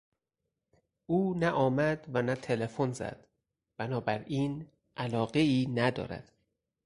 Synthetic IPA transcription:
ʔuːnæʔɒːmæd̪vænæt̪ʰe̞le̞fonzæ̰d̪̥ | b̥ænɒːbæɾiːn | ʔælɒːɢe̞iːnæd̪ɒ̰ːɾæ̰d̪̥

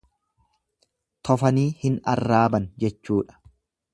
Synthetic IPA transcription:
t̪ʰɔfɐniːhɪnɐ̰rːaːbɐnd͡ʒɛt͡ʃːuːᶑɐ̥

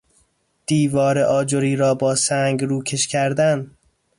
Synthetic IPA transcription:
d̪̥iːvɒːɾeʔɒːd͡ʒoɾiːɾɒːbɒːsæŋɡɾuːcʰeʃcʲʰæɾd̪æn

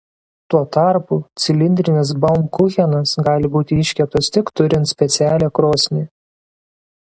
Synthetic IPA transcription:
t̪uɔt̪ɑˑɾput̪sʲɪlʲɪnʲd̪ʲɾʲɪnʲɪs̬bɐmkʊxʲɛnɐsɡɑːlʲɪbuːt̪ʲɪɪʃʲkʲɛp̚t̪ɐst̪ʲɪkt̪ʊɾʲɪnt̪sʲpʲɛt̪sʲæːlʲɛːkɾoːsʲnʲiː

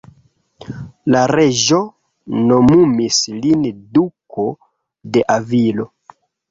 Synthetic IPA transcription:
laɾeʒo̞ | no̞mumislinduko | de̞ʔavilo̞

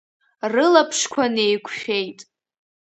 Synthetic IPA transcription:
rɨlapʰʂkʷʰanejkʷʰʼʃᶣejtʼ

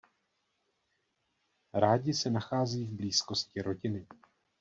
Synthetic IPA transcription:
ɾaːɟɪsɛnaxaːziːvbliːsko̞scɪɾo̞ɟɪnɪ

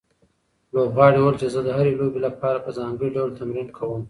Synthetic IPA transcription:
lobɣɑːɽiwəlt͡ʃezəd̪əɦaɾelobelapɑːɾapəzɑŋɡəɽiɖawlt̪amɾinkʰawəm

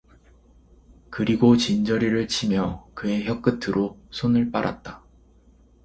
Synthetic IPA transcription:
kɯɾiɡot͡ɕind͡ʑʌɾiɾɯɭt͡ɕʰimjʌkɯe̞çjʌk͈ɯtʰɯɾʔosʰonɯɭp͈aɾa̰t̚t͈a

